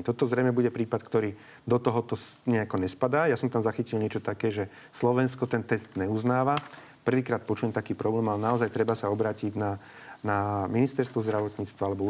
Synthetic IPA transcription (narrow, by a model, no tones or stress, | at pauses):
t̪ɔt̪ɔzɾɛjmɛbuɟɛpɾiːpat̪kt̪ɔɾiː | d̪ɔt̪ɔɦɔt̪ɔɲɛakɔɲɛspad̪aːjasɔmt̪amzaxicilɲɪɛt͡ʃɔt̪akɛːʒɛ | slɔʋɛnskɔt̪ɛnt̪ɛst̪ɲɛuznaːʋa | pr̩ʋiːkɾaːt̪pɔt͡ʃuɲɛmt̪akiːpɾɔblɛːmalɛnaɔzajt̪ɾɛbasaɔbɾaːciɟna | naminist̪ɛɾst̪ʋɔzd̪ɾaʋɔt̪ɲiːt͡st̪ʋaalɛbɔu